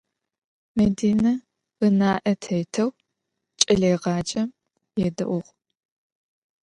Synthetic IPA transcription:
mediːnɐ | ɨnaːʔɐtʰɐjtʰɐw | t͡ʃʼɐɮeːʁɑːd͡ʒʼɐ | jɛdɐ̰ʔʷʊʁ

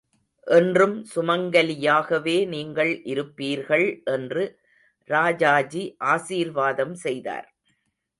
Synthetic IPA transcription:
ʔɛndrɯmsʊmɐŋɡɐlɪjaːɣɐʋeːniːŋɡɐɭʔɪɾɯpːiːɾɣɐɭʔɛndrɯ | ɾaːd͡ʒaːd͡ʒiʔaːsiːɾʋaːðɐmsɛjða̰ːɾ

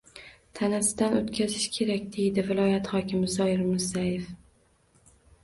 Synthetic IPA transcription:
t̪ʰanasɪd̪anot̪kʲazɪʃkʲʰe̞ɾakʲd̪e̞jd̪ɪvɪlˠɒjat̪hɒkʲɪmɪzɒɪɾmʊzajef

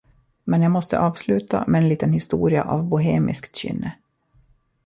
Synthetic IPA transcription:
mɛnjaːmɔst̪ə̰ʔɑːvslʉ̟ːt̪a̰mɛɛnliːt̪ənhɪst̪uːɾɪaʔavbʊɦeːmʔɪ̰skt̪ɕʏ̰nːə

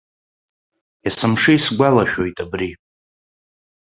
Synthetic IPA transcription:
jasɨmʂɨisɡʷalaʃᶣo̞jtʼabri

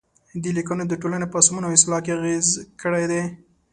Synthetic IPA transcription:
d̪elikuned̪əʈolanepəsmunoawɪstlɑkeaɣezkəɽejd̪e

